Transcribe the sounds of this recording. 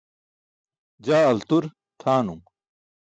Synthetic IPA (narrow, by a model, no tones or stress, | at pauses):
d͡ʑaːɐlt̪uɾ | t̪ʰaːnum